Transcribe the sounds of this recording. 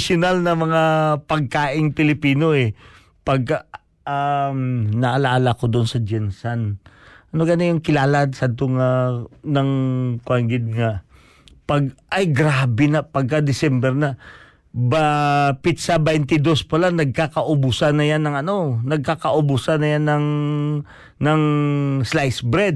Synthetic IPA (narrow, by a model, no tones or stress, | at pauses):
sjʊnalnɐmɐŋapɐɡ̚kaːʔɪŋpɪlɪpiːno̞ʔɛ | pɐɡ̚ka | amnɐʔɐlaːlakod̪onsɐd͡ʒɛnsanʔɐnoɡɐnojʊŋkɪlaːlaʔ̪sad̪̚t̪oŋanɐŋkwaŋɡɪd̪̚ŋa | pɐɡʔɐjɡɾaːbɛnɐpɐɡ̚kad̪ɪsɛmbɛɾnɐ | bapɪt̪̚sabɛjnt̪ɪd̪ospɐlanɐɡ̚kakɐʔʊbʊsanːɐjanːɐŋɐno̞nɐɡ̚kakɐʔobusanːɐjanːɐŋ | nɐŋslajsbɾɛd̪̚